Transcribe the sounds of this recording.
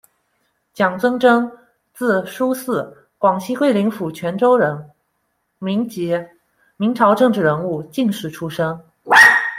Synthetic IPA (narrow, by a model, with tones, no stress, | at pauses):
t͡ɕjɑ˨˩ŋt͡swɤ˥ŋʈ͡ʂɤ˥ŋ | t͡sɹ̩˥˩ʂu˥sɹ̩˥˩ | kwɑ˨˩ŋɕʰi˥kwe˥˩ɪli˧˥ŋfu˨˩t͡ɕʰɥɛ˧˥nʈ͡ʂo˥ʊɻə˧˥n | mi˧˥ŋt͡ɕi˧˥ | mi˧˥ŋʈ͡ʂʰɑ˧˥ʊʈ͡ʂɤ˥˧ŋʈ͡ʂɻ̩˥˩ɻə˧˥nu˥˩t͡ɕi˥˧ŋʂɻ̩˥˩ʈ͡ʂʰu˥ʂɤ˥ŋ